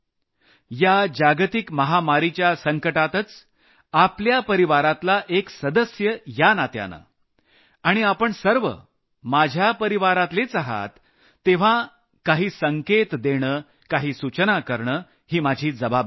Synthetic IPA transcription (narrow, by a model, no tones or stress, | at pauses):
jad͡ʑaɡt̪ikməɦamaɾit͡ɕjasəŋkəʈat̪ət͡s | apljapəɾiʋaɾat̪laʔeksəd̪əsjəjanat̪ja̰nə̰ | aɽ̃iapəɳsəɾʋə̰ | mad͡ʑʱjapəɾiʋaɾat̪let͡saɦa̰t̪ː | eʋ̤a | kaɦiːsəŋket̪d̪eɽ̃əː | kaɦiːsut͡ɕənakəɾɳəː | hiːmad͡ʑʱiːd͡zəbab